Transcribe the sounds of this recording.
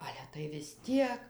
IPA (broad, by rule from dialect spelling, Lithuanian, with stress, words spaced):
ˈɑːlʲɛ tɐɪ ʋʲɪs ˈtʲiɛk